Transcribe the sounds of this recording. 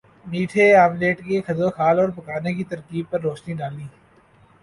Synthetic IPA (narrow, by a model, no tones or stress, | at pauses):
miːʈʰeaːmleːʈkexɐd̪oxʰaːlɔːɾpɐkaːnekit̪ɐɾkiːb̚pɐɾːoːʃniɖaːliː